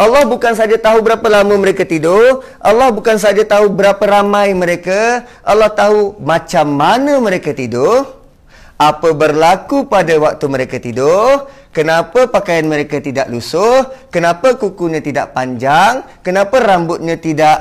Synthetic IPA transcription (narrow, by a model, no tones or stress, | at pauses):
ʔalːɔhbukans̬ad͡ʒat̪aɦubəɾapəlaməməɾekat̪idʊh | ʔalːɔhbukans̬ad͡ʒat̪aɦubəɾapəɾamãjməɾeka | ʔalːɔht̪aɦumat͡ʃamːanə̃məɾekat̪idʊh | apəbərlakupadawak̚t̪uməɾekat̪idʊh | kənapəpakajanməɾekat̪idaʔlusʊhkənãpəkukuɲãt̪idaʔpaɲd͡ʒaŋkənapərambʊt̪̚ɲãt̪idaʔ